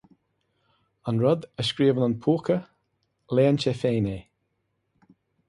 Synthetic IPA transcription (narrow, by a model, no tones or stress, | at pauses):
ənɹəd̪əʃkɹiːvənənpʰuːkʰə | leːənt͡ʃefeːneː